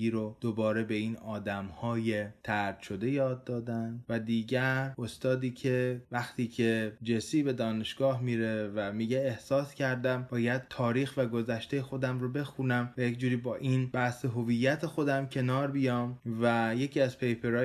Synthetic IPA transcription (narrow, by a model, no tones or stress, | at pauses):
iːɾod̪̥obɒːɾe̞be̞iːnɒːd̪æmhɒːje̞t̪ʰæɾd̪̥ʃo̞d̪e̞jɒːd̪ːɒːd̪ænd̪væd̪iːɟæɾo̞st̪ɒːd̪iːcʰe̞væxt̪ʰiːcʰe̞d͡ʒesiːbe̞d̪ɒːne̞ʃɡ̥ɒːhmiːɾe̞væmiːɟeːhsɒːscʰæɾd̪æmbɒːjæd̪̥̚t̪ʰɒːɾiːxvæɡo̞zæʃt̪ejexo̞d̪æmɾobe̞xunæmvæje̞cd͡ʒuːɾiːbɒːʔiːnb̥æhseɦovijːæt̪ʰe̞xo̞d̪æmcʰe̞nɒːɾbijɒːmvæje̞cʰiːæzpʰe̞jpʰe̞ɾɒː